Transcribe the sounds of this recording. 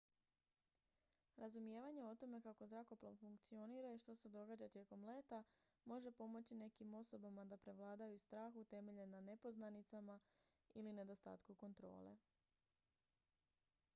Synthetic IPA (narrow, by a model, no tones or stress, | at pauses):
ɾazumje̞ːʋaɲe̞o̞t̪o̞me̞kako̞zɾako̞plˠaʋfuŋkt̪sio̞niːɾaiʃt̪o̞se̞d̪o̞ɡad͡ʑat̪je̞ko̞mle̞ːt̪a | mo̞ʒe̞po̞mo̞t͡ɕine̞kimo̞so̞bamad̪apɾe̞ʋlˠaːd̪ajust̪ɾaːxut̪e̞me̞ʎe̞nane̞po̞znanit̪sama | iline̞d̪o̞st̪a̰ːt̪kuko̞nt̪ɾo̞̰ːle̞̰